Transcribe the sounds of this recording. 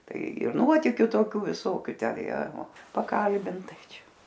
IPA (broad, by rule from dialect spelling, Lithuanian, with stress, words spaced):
ˈtɐɪ ɪ ˈnuɔtʲɪkʲʊ toːˈkʲuː ʋʲɪˈsoːkʲʊ ˈtʲɛn ˈjiɛ pɐˈkɐlʲbʲɪnt ˈtɐɪ ˈt͡ʃʲɛ